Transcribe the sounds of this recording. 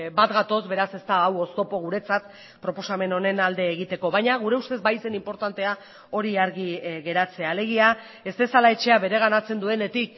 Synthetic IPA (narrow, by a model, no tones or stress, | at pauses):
bat̪ɡat̪o̞zβbe̞ɾase̞st̪aːwo̞st̪o̞po̞ɣ̞uɾe̞t͡sat̪ | pɾo̞po̞same̞no̞ne̞nald̪e̞ːɣit̪e̞ko̞βajɲaɣ̞uɾe̞ust̪ezbajse̞nimpo̞ɾt̪ant̪e̞a | o̞ɾiaɾɣiɣe̞ɾat͡se̞ale̞ɣ̞ia | e̞st̪e̞salae̞t͡ʃe̞aβe̞ɾe̞ɣ̞anat͡se̞nd̪ue̞ne̞t̪ik̚